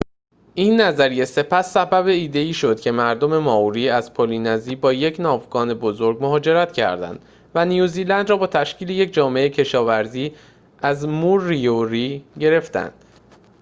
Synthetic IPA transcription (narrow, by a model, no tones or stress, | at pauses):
ʔiːnːæzæɾije̞se̞pʰæsːæbæbe̞iːd̪e̞iːʃo̞d̪̥̚cʲʰe̞mæɾd̪o̞me̞mɒːuɾiːæz̥pʰolinæziːbɒːje̞cʰnɒːvɡɒːne̞bo̞zo̞ɾɡmoɦɒːd͡ʒe̞ɾæt̪cʰæ̰ɾd̪æ̰nd̪̥ | vænijuːziːlænd̪rɒːbɒːt̪ʰæʃcʰiːle̞jecd͡ʒɒːmeeecʰe̞ʃɒːvæɾziː | æzmurːijoɾiːɟe̞ɾe̞ft̪æ̰nd̪̥